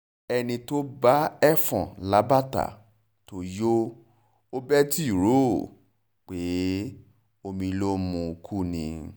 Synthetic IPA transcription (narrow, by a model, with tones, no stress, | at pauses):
ɛ˧nĩ˧to˦ba˦ɛ˦fɔ̰̃˨la˨˦ba˦ta̰˨ | to˨˦jo˦ | o˦bɛ˦ti˦i˦˨ɾo˦˨ | k͡pe˨˦ | o˧mĩ˧lo˦mũ˧kʰu˦˨nḭ̃˧